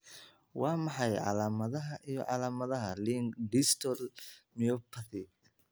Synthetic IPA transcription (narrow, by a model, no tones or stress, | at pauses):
wɑːmɑħɑjʕɑ̰laːmɐðɐɦɐʔijɔ̰ʕɑlaːmɐðɐɦɐliŋɖist̪ʰɔlmiɔpʰɐθɪ